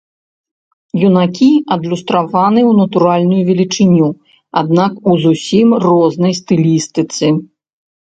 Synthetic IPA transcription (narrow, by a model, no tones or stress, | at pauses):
junakʲiɐd̪lʲust̪ɾavanɨwnɐt̪uɾalʲnujuvʲɛlʲit͡ʂɨnʲu | a̰d̪nakuzusʲimrɔznɐjst̪ɨlʲist̪ɨt̪sɨ